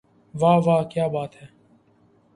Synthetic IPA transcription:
ʋaːʋaːkjaːbaːt̪ɦɛː

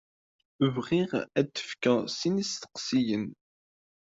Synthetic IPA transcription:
ʊvʁiʁæt̪ːə̥fkæsinist̪ə̥qsijən

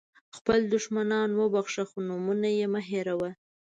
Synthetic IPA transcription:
xpəld̪ʊʃmanɑnwəbaxʂaxonumunajemaɦeɾawa

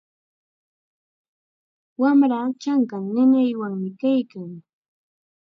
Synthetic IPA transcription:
wamɾaːt͡ʃaŋkaŋnɪnajwaŋmɪkajkaŋ

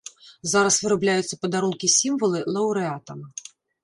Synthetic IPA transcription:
zaɾɐsvɨɾablʲajut̪sːɐpɐd̪aɾunkʲisʲimvɐlˠɨlˠɐwɾɛat̪ɐmɐ

